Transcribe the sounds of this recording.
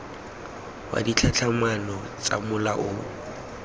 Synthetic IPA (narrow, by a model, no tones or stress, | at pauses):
wa̰dit͡ɬʰat͡ɬʰamanɔ | t͡sʼa̰mʊlaʔʊ